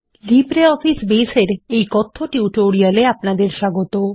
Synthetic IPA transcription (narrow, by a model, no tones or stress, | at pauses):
lipɾeɔfisbeseɾejkɔt̪ʰːoʈiuʈoɾialeapnad̪eɾʃaɡot̪o